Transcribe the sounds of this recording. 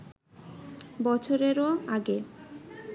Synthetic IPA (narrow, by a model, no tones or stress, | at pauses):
bɔt͡ɕʰoɾeɾoaɡe